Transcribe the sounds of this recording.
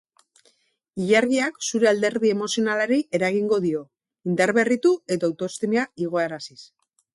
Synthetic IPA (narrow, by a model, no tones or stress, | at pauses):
iʎaɾɣiaksuɾe̞ald̪e̞ɾðie̞mo̞sio̞nalaɾee̞ɾaɣiŋɡo̞ðio̞ | ind̪aɾβe̞rit̪ue̞t̪oawt̪o̞st̪imiaiɣ̞o̞eɾasis